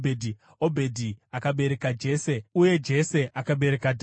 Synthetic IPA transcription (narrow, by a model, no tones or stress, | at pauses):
edʱi | obʱe̞dʱiakaɓe̞ɾe̞kad͡ʒe̞ːseuje̞d͡ʒe̞se̞ʔakaɓe̞ɾe̞kadʱ